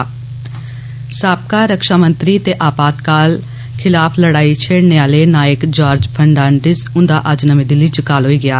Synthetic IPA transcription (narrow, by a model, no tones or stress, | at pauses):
saːp̚kaːɾəkʃaːmə̃nt̪ɾiːt̪eːʔaːpaːt̪kaːl | kʰɪlaːpʰləɽaːit͡ʃʰeːɽneːaːleːnaːjəkd͡ʒaːɾd͡ʒpʰəɳɖaːnɖɪsʊ̃nd̪aːʔəd͡ʒnəmẽːd̪ɪlit͡ʃkaːlɦoːiːɡɪjaː